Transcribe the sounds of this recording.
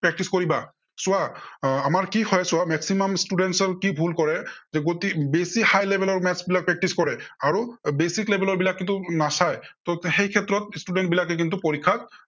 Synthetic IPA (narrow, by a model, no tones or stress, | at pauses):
pɹɛk̚ʈiskoɹiba | sʊaːmaɹkihɔjsʊamɛksimɔmstuɖɛntsɔkibʱulkɔɹɛzɛɡotibesihajlebʱɛlɔɹmɛsbilak̚pɹɛk̚ʈiskɔɹɛaɹubesiklebʱɛlɔɹbilakːint̪unasajtɔxejkʰɛtɹɔt̚studɛnt̚bilakɛk̬int̪upoɹikʰːat̚